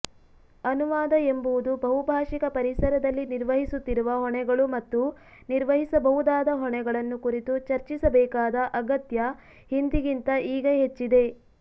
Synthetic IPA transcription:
ɐnuʋaːd̪ɐembuʋud̪ubɐɦubʱaːʂikɐpɐɾisɐɾɐd̪ɐlːiniɾʋɐɦisut̪ːiɾuʋɐɦɔɳɛɡɐɭumɐt̪ːu | niɾʋɐɦisɐbɐɦud̪aːd̪ɐɦɔɳɛɡɐɭɐnːukuɾit̪ut͡ʃɐɾt͡ʃisɐbɛːkaːd̪ɐʔɐɡɐt̪jɐ | hind̪iɡint̪ɐʔiːɡɐɦe̞t͡ʃːid̪e̞

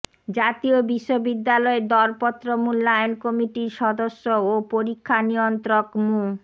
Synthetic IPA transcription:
d͡ʑat̪iobiʃːobid̪ːalɔed̪ɔɾpɔt̪ːɾomulːajnkɔmiʈiɾʃɔd̪oʃːoopoɾikʰːanijont̪ɾokmu

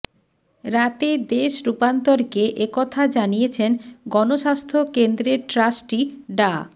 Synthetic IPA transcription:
ɾat̪ed̪eʃɾupant̪oɾkeʔekɔt̪ʰad͡ʑanijet͡ɕʰenɡɔnoʃast̪ʰokend̪ɾeɾʈɾasʈiɖa

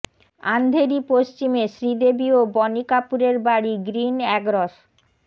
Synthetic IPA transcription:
a̰nd̪ʱeɾipoʃt͡ɕimeʃɾid̪ebiobɔnikapuɾeɾbaɽiɡɾinɛɡɾoʃ

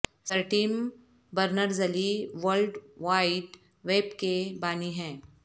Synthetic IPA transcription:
səɾʈiːm | bəɾnəɾzɐliʋəɾlɖʋaːɪɖ | ʋeːbkebaːniɦɛ̃ː

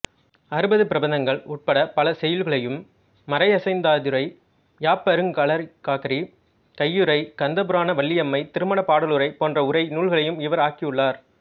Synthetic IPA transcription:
ɐɾɯbɐðɯpɪɾɐbɐnd̪ɐŋɡɐɭʊʈ̚pɐɽɐpɐlɐsɛjɐlɣɐɭɐjɯmː | ɐɾɐɪɐsɐɪnd̪aːðɯɾɐɪ | jaːpɐɾɯŋɡɐɭɐɾkaːkɐɾi | kɐjːɯɾɐɪkɐnd̪ɐpɯɾaːnɐʋɐɭːɪjɐmːɐɪt̪ɪɾɯmɐɳɐpaːɽɐɭɯɾɐɪpoːndrɐʊɾɐɪnuːɭɣɐɭɐjɯmɪʋɐɾaːkijɯɭːaːɾ

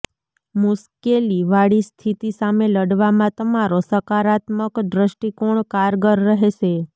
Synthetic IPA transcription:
muskeliʋaɽist̪ʰit̪isameləɽʋamãt̪əmaɾosəkaɾat̪məkd̪ɾəʃʈikoɳkaɾɡəɾːəɦeʃe

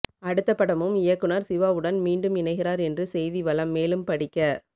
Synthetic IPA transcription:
ɐɽɯt̪ːɐpːɐɽɐmɯmɪjɐkːɯnɐɾsɪʋaːɯɽɐnmiːɳɖɯmɪnɐɪɣɪɾaːɾɛndrɯsɛjðiʋɐlɐmːeːlɯmpɐɽɪkːɐ

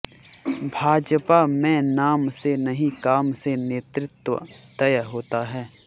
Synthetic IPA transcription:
bʱaːd͡ʒpamɛ̃naːmsenɐɦĩkaːmseneːt̪ɾɪt̪wə̰t̪ɐjəɦoːt̪aɦɛː

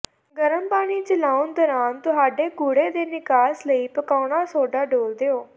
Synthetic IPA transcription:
ɡəɾəmbaːɽ̃iːt͡ʃəlaːʊnd̪ɔːɾaːnt̪ʊɦaːɖeːɡʊɽeːd̪eːnɪkaːsləiːpəkaːɽ̃aːsoːɖaːɖoːld̪eːoː

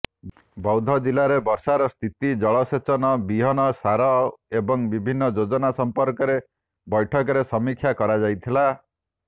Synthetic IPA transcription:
bɔwd̪ʱɔd͡ʒilaɾebɔɾsaɾɔst̪ʰit̪id͡ʒɔɭɔset͡ʃɔnɔbiɦɔnɔsaɾɔebɔŋbibʱinːɔd͡ʒod͡ʒɔnasɔmpɔɾkɔɾe | bɔjʈʰɔkɔɾesɔmikʰːjakɔɾad͡ʒajt̪ʰila

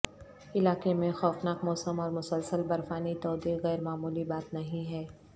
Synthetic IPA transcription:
ɪlaːkemẽxɔːfnaːkmɔːsəmɔːɾmʊsəlsəlbɐɾfaːnit̪ɔːd̪iːɣɛːɾmaːmuːlibaːt̪nɐɦĩɦɛː

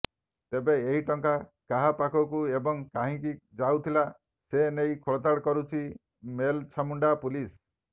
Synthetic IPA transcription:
t̪ebeeɦiʈɔŋkakaɦapakɔkuebɔŋkãɦĩkid͡ʒawt̪ʰila | senejkʰɔɭɔt̪aɽkɔɾut͡ʃʰi | melt͡ʃʰamuɳɖapulis

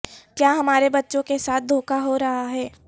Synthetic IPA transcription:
kjaːɦɐmaːɾebɐtːʃõkesaːt̪̚ʰd̪ʱoːkaɦoɾɐɦaɦɛː

